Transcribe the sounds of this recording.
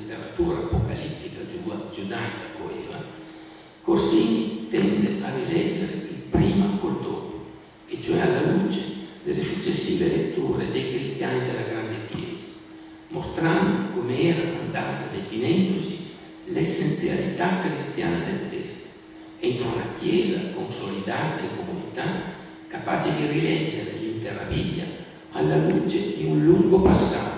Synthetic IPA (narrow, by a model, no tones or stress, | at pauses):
it̪eɾat̪uːɾaːpoka̰lit̪ːikad͡ʒud͡ʒud̪ajkakoɛːva | kosit̪ɛnd̪earilɛd͡ʒːeɾeilpɾiːmakold̪opo | et͡ʃoɛalːalut͡ʃed̪elesut͡ʃːesːiːvelet̪ːuːɾed̪ejkɾist̪janid̪elaɡɾand̪ekjɛːzḁ | most̪ɾand̪okomeɛːɾakond̪at̪ad̪efinɛnd̪osi | lesːent̪sja̰lit̪akːɾist̪ja̰ːnad̪elat̪ɛst̪ḁ | ɛnt̪ɾolakjɛːzakonsolid̪aːt̪aiŋkomunit̪a | kapaːt͡ʃed̪irilɛd͡ʒːeɾelint̪era̰vilːa̰ | alːalut͡ʃed̪iunluŋɡopasːat̪o